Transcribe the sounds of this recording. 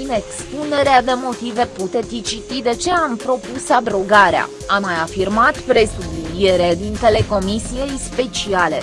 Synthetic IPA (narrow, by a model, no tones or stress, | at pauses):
inekspune̞ɾead̪e̞mo̞t̪ive̞put̪e̞t̪ʲit͡ʃit̪id̪e̞t͡ʃe̞ampɾo̞pusad̪ɾo̞ɡaɾea̰ | amːajafirmat̪pɾe̞subije̞ɾed̪int̪e̞le̞ko̞misije̞jspe̞t͡ʃiale̞̰